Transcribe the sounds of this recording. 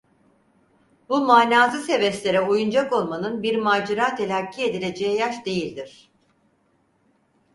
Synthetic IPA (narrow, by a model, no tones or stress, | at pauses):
bumaːnʲaːzɯse̞vɛslʲe̞ɾɛojund͡ʒako̞lˠmanɯnbiɾmaːd͡ʒiɾaːt̪ʰe̞lʲacʰːie̞d̪ilʲe̞d͡ʒejɛjaʃd̪e̞jilʲd̪iɾ̝̥